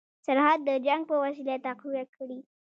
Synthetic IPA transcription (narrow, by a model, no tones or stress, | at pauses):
saɾɦad̪ːəd͡ʒaŋɡ̚pəwas̬ilat̪ːaquwakʰəɽi